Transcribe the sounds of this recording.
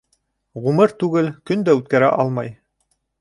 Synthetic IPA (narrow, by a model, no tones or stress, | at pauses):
ʁumɤɾt̪ʉɡɘlkɵnd̪æʉt̪̚kæɾæʔɑlˠmɑj